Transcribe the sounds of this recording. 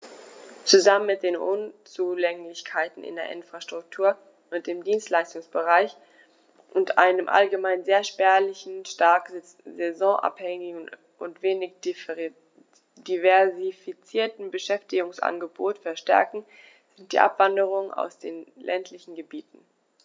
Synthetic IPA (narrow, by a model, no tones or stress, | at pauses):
t͡suzamənmɪt̚d̥eːnʔʊnt͡suːlɛŋlɪçkʰaɪtn̩ɪ̰ndḛːɐʔɪnfʁ̥aʃtʁ̥ʊk̚tʰuːɐ | ʔʊnt̚d̥eːmdiːnstlaɪstʊŋsb̥əʁaɪç | ʔʊntʔa̰ɪnəmʔa̰lɡəmaɪnzeːɐʃpɛːɐlɪçn̩ʃtaɐk | zɛzɔ̃ʔa̰phɛŋɪ | ʔʊntv̥eːnɪç | divɛɐzifit͡siːɐtn̩bəʃɛftɪɡʊŋsʔa̰nɡəboːtfɛɐʃtɛ̰ɐkŋ̩ | z̥ɪnt̚d̥ḭːʔa̰pv̥andəʁ̞ʊŋəna̰ʊsd̥eːnlʔɛntʰlɪçn̩ɡəbiːtn̩